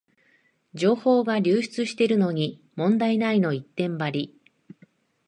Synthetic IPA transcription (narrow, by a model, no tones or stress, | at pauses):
d͡ʑo̞ːho̞ːɡaɾʲɨːɕi̥t͡sɨɕi̥t̪e̞ɾɯ̟no̞ɲ̟i | mõ̞nd̪ainaino̞it̪ːẽ̞mbaɾʲi